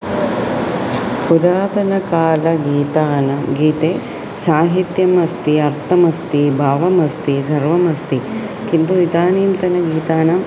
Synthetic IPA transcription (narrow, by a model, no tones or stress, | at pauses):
puɾaːt̪ɐnɐkaːlɐɡiːt̪aːnɐmɡiːt̪eː | saːɦit̪jɐmɐst̪iɐɾt̪ʰɐmɐst̪ibʱaːʋɐmɐst̪isɐɾʋɐmɐst̪i | kint̪uit̪aːniːmt̪ɐnɐɡiːt̪aːnɐm